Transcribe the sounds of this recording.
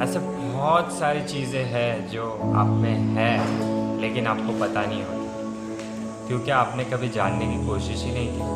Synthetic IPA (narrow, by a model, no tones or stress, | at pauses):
ɛːse | bɔːt̪saːɾit͡ʃiːzẽɦɛ̃d͡ʒoːa̰ːpmẽɦɛleːkɪnaːp̚kopɐt̪anɐɦĩɦoːt̪a | kjõːkeaːpnekɐbʱid͡ʒaːnːekikoːʃɪʃɦinɐɦĩkiː